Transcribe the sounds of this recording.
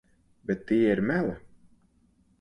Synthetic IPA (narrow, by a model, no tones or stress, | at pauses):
bɛt̪ːiːiɾmælˠa